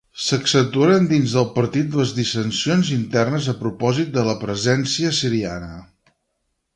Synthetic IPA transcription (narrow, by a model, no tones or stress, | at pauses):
səksənt̪uaɾənd̪inzðəlˠpəɾt̪it̪̚ləzðisənsionzint̪ɛrnəzəpɾupɔzit̪̚d̪ələpɾəzɛnsiəsiɾia̰nə